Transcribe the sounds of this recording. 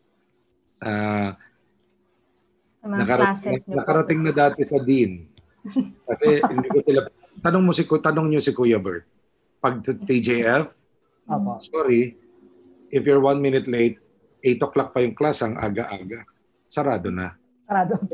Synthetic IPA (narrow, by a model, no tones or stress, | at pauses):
ʔaː | nɐkɐɾɐnɐnɐkɐɾɐt̪ɪŋnɐd̪aːt̪ɛsɐd̪in | kɐsɛhɪnd̪iːkosɪlɐ | t̪ɐnoŋmosɪkt̪ɐnoŋɲosɪkujɐbɛɹt̪̚ | pɐɡ̚t̪id͡ʒeʔɛf | asoːɾi | ʔɪfjoɹwɐnmɪnɪt̪lejt̪̚ | ʔɛjt̪oklɐk̚pɐjʊŋklasɐŋʔa̰ːɡɐʔaːɡɐ | sɐɾaːd̪onɐ | ɐad̪